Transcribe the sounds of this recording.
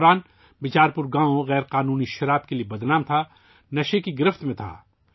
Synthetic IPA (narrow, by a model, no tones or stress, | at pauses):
ɾaːn | bɪt͡ʃaːɾpʊɾɡãːõɣɛːɾqaːnuːniʃɐɾaːb̚keliebɐd̪naːmt̪ʰa | nɐʃekiɡɪɾɪft̪mẽt̪ʰa̰ː